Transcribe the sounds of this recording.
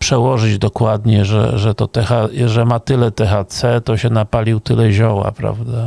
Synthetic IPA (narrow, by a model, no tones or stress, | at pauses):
pʂɛwɔʐɘd͡ʑd̪ɔkwad̪ɲɛʐɛ̰ʐɛt̪ɔt̪ɛxaʐɛmat̪ɘlɛt̪ɛxat̪sɛt̪ɔɕɛnapalʲiwt̪ɘlɛʑɔwa̰pɾa̰vd̪a